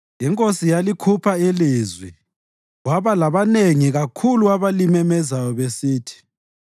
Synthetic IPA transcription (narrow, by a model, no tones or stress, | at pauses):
jiŋkʼosijalikʰupʰaeliːzwi | ɣwaβalaβaneŋiɣakʰuluaβalimɛmɛzajɔβesiːtʰi̥